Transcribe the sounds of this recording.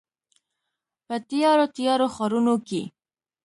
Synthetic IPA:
pət̪ijɑɾot̪ijɑɾoxɑɾunoke

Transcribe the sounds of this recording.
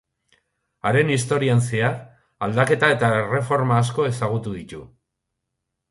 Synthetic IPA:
aɾe̞nist̪o̞ɾianseaɾ | ald̪ake̞t̪ae̞t̪aere̞fo̞ɾmaːsko̞e̞saɣ̞ut̪uðit̪u

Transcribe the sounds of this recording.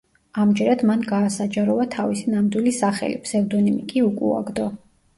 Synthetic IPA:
amd͡ʒɛɾad̪manɡaːsad͡ʒaɾɔvat̪ʰavisinamd̪wilisaχɛ̰lḭpʰsɛvd̪ɔnimḭkʼiukʼṵa̰ɡd̪ɔ

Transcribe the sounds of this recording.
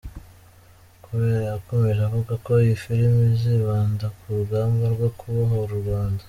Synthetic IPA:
kuβeɾajako̞me̞ʒavuɡako̞jifiɾimiziβaːndakuɾuɡaːmɡaɾɡwokuβaɦoɾuɾɡwaːndḁ

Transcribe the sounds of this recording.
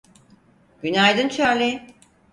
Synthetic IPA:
ɟ̥ynajd̪ɯnt͡ʃʰaɾlʲi

